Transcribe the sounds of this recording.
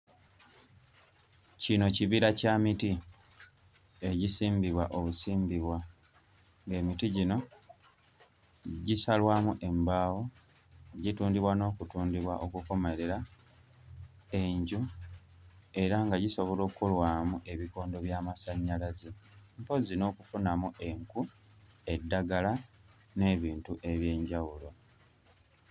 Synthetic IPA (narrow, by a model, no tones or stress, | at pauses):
cino̞ciβiɾacamiti | eɟisiːmbiβwaʔoβusiːmbiβwa | ŋɡe̞ːmitiɟino̞ | ɟisalwaːmuʔe̞mbaːwo̞ | ɟituːndiβwano̞ːkutuːndiβwaʔo̞kuko̞me̞ɾe̞ɾa | e̞ɲɟu | e̞ɾaŋɡaɟiso̞βo̞lo̞ːkulwaːmuʔe̞βiko̞ːndo̞βjaːmasaɲːalazimpo̞zino̞ːkufunamue̞ŋku | e̞dːaɡala | ne̞ːβiːntuʔe̞βje̞ːɲɟawulo̞